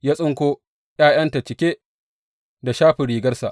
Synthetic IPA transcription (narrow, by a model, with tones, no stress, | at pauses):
jaː˦sʼʊ˦ŋkʷo˦ | j̰aː˦˨j̰ɐ˦nta˨t͡ʃɪ˨kʲeː˦ | da˨ʃaː˦ɸɪ˨ɾiː˨ɡɐ˦rsa˨ʔ